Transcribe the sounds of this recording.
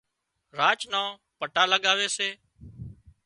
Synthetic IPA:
ɾaːt͡ʃnãː | pəʈaːləɠaːʋeːseː

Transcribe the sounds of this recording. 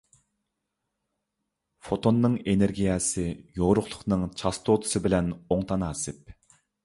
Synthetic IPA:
fot̪ʰonːɨŋeneɾɡʲijɛsɪjoʁɾʊχlˠʊ̥χnɨŋt͡ʃʰɑst̪ʰot̪ʰʊ̥sɨbɪlɛnoŋt̪ʰɑnɑːsɨp̚

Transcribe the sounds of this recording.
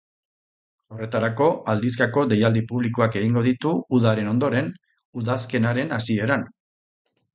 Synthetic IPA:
o̞re̞t̪aɾako̞ʔald̪iskako̞d̪e̞jald̪ipuβlikoake̞ɣiŋɡo̞ðit̪uuðaɾe̞no̞nd̪o̞ɾe̞n | uðaske̞naɾe̞nasie̞ɾan

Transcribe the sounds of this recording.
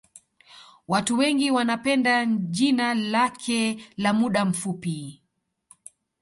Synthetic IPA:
watuwɛŋɡiwanapɛndaʄinalakʰɛlamuɗam̩fupi

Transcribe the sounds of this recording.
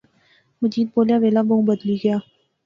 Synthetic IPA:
mɐd͡ʒiːd̪̚boːljaʋeːlabɐɦũbɐd̪liɡɐjaː

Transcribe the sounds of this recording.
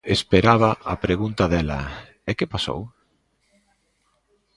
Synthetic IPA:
espeɾaβ̞ɐapɾeɣunt̪ɐðɛlɐ̰ | ɛkepaso̰w

